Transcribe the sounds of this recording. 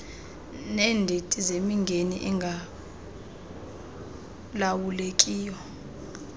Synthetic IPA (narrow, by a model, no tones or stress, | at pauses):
nɛːndʱetʼizemiŋɡʱeniʔɛŋɡʱa | lawulekʼiːjɔ